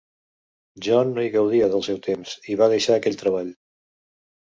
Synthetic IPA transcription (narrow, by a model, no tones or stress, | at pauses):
ʒɔnːoiɣəwð̞iəðəlˠsɛwt̪emziβaðəʃaːkɛʎt̪ɾəβ̞aʎ